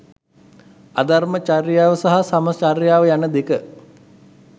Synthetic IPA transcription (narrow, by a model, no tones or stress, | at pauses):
ad̪armət͡ʃarjaːʋəsaɦasamət͡ʃarjaːʋəjanəd̪ekə